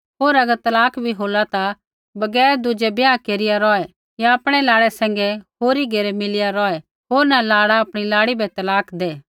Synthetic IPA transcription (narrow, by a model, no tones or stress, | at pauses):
ɦoːɾɐɡəɾt̪ɐlaːkʰbʱiɦoːlat̪a | bɐɡɛːɾd̪ʊd͡ʒɛbjaːkeːɾɪjaɾɔːɛ | jaɐpɽ̃ɛlaːɽɛsɛ̃ːŋ̆ɡɛɦoːɾiɡeːɾɛmɪlɪjaɾɔːɛ | ɦoːɾnalaːɽaɐpɽ̃ilaːɽibʱɛt̪ɐlaːkʰd̪eː